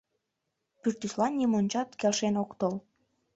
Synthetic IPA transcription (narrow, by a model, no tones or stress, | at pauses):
pyrt̪yslɑnʲːimonʲt͡ɕɑt̪kelʃenokt̪əl